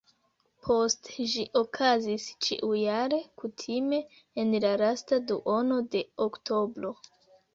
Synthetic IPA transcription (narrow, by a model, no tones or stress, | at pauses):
pʰo̞stʒiʔo̞kʰazist͡ʃḭʔujaɾe̞kutʰime̞ː | nlalastaduʔo̞no̞de̞oktʰo̞bɾo̞